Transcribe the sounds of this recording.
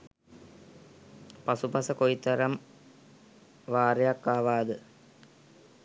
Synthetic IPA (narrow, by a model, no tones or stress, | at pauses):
pasupɐsəkojit̪ɐɾɐm | ʋaːɾejakːaːʋaːd̪ə